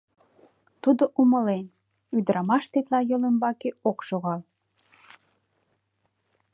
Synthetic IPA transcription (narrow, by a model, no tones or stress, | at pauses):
t̪ud̪oʔuməlen | yd̪əɾɑmɑʃt̪et̪lɑjɤlembɑkeokʃoɣɑl